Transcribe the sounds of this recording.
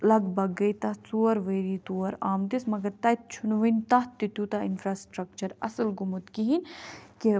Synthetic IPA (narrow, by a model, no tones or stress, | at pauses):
lɐɡbɐɡɐjt̪ɐt͡suɐɾʋeːɾit̪uɐɾaːmt̪ismɐɡɐɾt̪ɐt̪̚t͡ʃʰunʋinʲt̪ɐt̪it̪ut̪ainfɾaːsʈɾɐkt͡ʃɐɾɐ̰səlɡumut̪kiɦinki